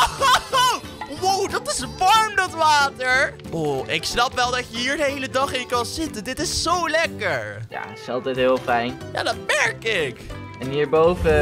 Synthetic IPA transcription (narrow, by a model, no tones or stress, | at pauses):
o | wowdɑtɪsʋɑɹmdɑtʋaːtəɹʔoʔɪksnɑpʋɛlˠdɑcəɦiːɹdəɦejlədɑχɪnkɑnzɪtəndɪtɪsːowlɛkəɹja̰sɑlˠtɛjtɦɪːlˠfɛjnja̰ːdɑt̚mɛɹkɪk | ɛniːɹbowvə